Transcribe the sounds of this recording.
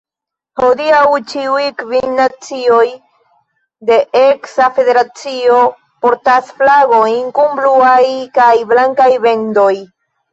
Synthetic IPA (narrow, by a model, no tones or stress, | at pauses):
ho̞diawt͡ʃiujkvinːat͡sio̞j | de̞ʔeksafe̞de̞ɾat͡sio̞ | poɾtasflaɡo̞iŋkumbluajkajblaŋkajbendoj